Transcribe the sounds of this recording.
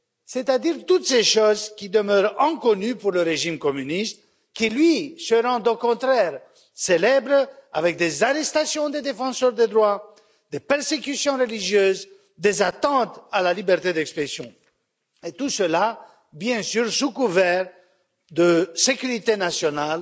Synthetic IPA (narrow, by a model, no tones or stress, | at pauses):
set̪ad̪iʁt̪ut̪seʃozkʲid̪əmœʁɑ̃kɔnypuʁləʁeʒimkɔmynist̪ | kʲilɥisəʁɑ̃d̪okɔ̃t̪χɛʁ | selɛbʁa̰vɛk̚d̪ezaʁɛst̪asjɔ̃d̪ed̪efɑ̃sœʁd̪ed̪ʁwa | d̪epɛʁsekysjɔ̃ʁəliʒjøːz | d̪ezat̪ɑ̃t̪alalibɛʁt̪ed̪ɛkspχesjɔ̃ | et̪usəla | bjɛ̃syʁsukuvɛʁ | d̪əsekʲyʁit̪enasjɔnal